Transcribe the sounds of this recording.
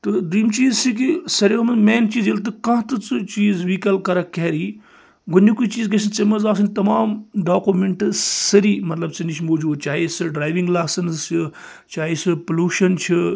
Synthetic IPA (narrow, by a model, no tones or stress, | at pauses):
t̪ɨd̪iːmt͡ʃiːzsikisɐɾoɐmɐmeːnt͡ʃiːzelt̪ɨkãːt̪ɨt͡sɨt͡ʃiːzʋiːkɐlkɐɾɐkɛːɾiː | ɡʊnukuit͡ʃiːzɡɐs̬int͡semɐzaːs̬int̪ɐmaːmɖaːkumeɳʈɨsɐɾiːmɐt̪lɐbt͡sɐnit͡ʃʰmoːd͡ʒuːd̪̚t͡ʃaːɦisɨɖɾaːjʋiŋɡlaːsɐnzsi | t͡ʃaːisɨpɐluːʃɐnt͡ʃʰi